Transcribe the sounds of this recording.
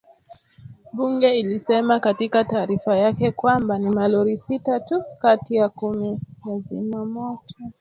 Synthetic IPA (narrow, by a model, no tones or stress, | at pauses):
ɓuŋɡɛilisɛmakatikataːɾifajakɛkwambanimalɔɾisitatukatijakumijazḭmamɔtɔ